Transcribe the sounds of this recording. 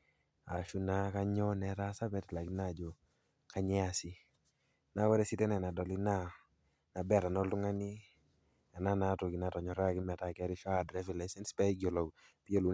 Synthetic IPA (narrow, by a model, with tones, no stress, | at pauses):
a˨ʃu˦na˦ka˦ɲɔ˦nɛ˨ta˦sa˦pɛ˦tla˨ki˦na˦˨d͡ʒo˨ | ka˦ɲɛ˦a˨si˦ | na˦wɛ˦ɾɛ˦si˦tɛ˦nɛ˨na˨dɔ˨li˦na˦ | na˨bɛ˦˨ta˨nɔ˦ltʊ˦ŋa˦ni˦ | a˨na˦na˨˦to˨ki˨na˨tɔ˨ɲɔ˨ɾa˦˨kɪ˦mɛ˨ta˨kɛ˦ɾɪ˦ʃɔ˦a˨dɾɛ˦vi˨lɛ˨sɛ˦nspɛ˦ɡjɔ˨lɔ˨ | pi˦jo˦lu˨